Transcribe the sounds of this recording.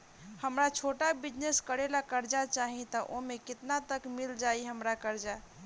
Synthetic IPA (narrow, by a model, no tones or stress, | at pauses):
həmɾat͡ʃʰoʈabid͡ʒneskəɾelakəɾd͡ʒat͡ʃaɦĩt̪əʔomekɪt̪nat̪əkmild͡ʒaiɦəmɾakəɾd͡ʒa